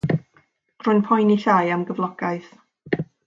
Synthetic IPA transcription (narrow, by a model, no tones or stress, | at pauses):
r̥ʊjnpʰɔjniɬajamɡəvlˠɔɡ̥aɨθ